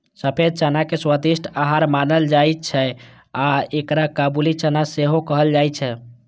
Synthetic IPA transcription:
səpʰed̪̚t͡ʃanakeswəd̪iʃʈʰaɦaɾmanəld͡ʒajt̪̚t͡ʃʰɛ | aekɾakabulit͡ʃanaseɦokəɦəld͡ʒajt͡ʃʰɛ

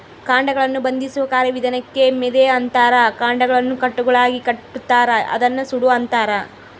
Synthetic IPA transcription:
kaːɳɖɐɡɐɭɐnːubɐnd̪isuʋɐkaːɾɐʋid̪ɐnɐkːe̞mɛd̪eɐnt̪aːɾɐkaːɳɖɐɡɐɭɐnːukɐʈːuɡɐɭaːɡikɐʈːut̪ːaːɾɐʔɐ̰d̪ɐnːɐsuɽuɐnt̪aːɾɐ

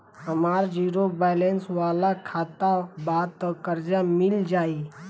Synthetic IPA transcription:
ɦəmaːɾd͡ʒiːɾobaːjlenswaːlakʰaːt̪abaːt̪kəɾd͡ʒamɪld͡ʒaːi

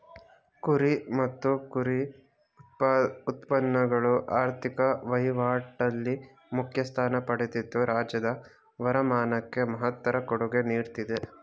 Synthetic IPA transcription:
kuɾimɐt̪ːukuɾi | ut̪pɐnːɐɡɐɭuʔaːɾt̪ʰikɐʋɐjʋaːʈːɐlːi | mukʰjɐst̪ʰaːnɐpɐɽet̪it̪ːuɾaːd͡ʒjɐd̪ɐ | ʋɐɾɐmaːnɐkːe̞mɐɦɐt̪ːɐɾɐkoɽuɡe̞niːɾt̪id̪e

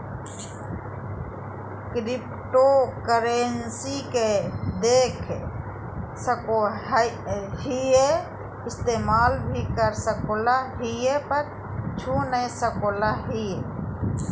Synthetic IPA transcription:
kɾɪp | ʈokəɾensiked̪eːkʰ | səko | ɦije | ɪst̪eːmaːlbʱikəɾsəkoːlaɦijepəɾ | t͡ʃʰunəsəkoːlaɦie

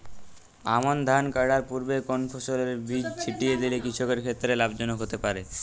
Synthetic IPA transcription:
a̰mond̪ʱankaɾɖaɾpuɾbekonpʰoʃoleɾbid͡ʑt͡ɕʰiʈijed̪ilekɾit͡ɕʰokeɾkʰet̪ːɾelabd͡ʑonoɦot̪epaɾe

